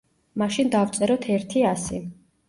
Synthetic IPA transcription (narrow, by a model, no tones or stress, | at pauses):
maʃind̪avt̪sʼɛɾɔt̪ʰɛɾt̪ʰiasḭ